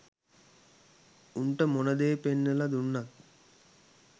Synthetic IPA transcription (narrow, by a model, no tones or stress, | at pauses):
uɳʈəmonəd̪eːpenːəlad̪unːat̪̚